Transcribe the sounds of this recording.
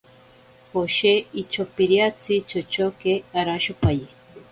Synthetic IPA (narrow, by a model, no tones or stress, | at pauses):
hoʃeit͡ʃopiɾiat͡sit͡ʃot͡ʃokeaɾaʃupaje